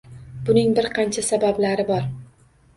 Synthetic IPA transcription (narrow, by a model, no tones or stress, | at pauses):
bʊnɪŋbɪɾqʰɑnt͡ʃʰasabablaɾɪbɒɾ